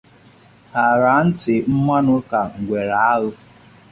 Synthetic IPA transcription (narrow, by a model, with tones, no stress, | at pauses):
ha˨ɾa˨n̩˦tɪ˨m̩˦ma˦nʊ˦ka˨ŋ̩˨ɡʷe˨ɾa˨a˦ɣʊ˦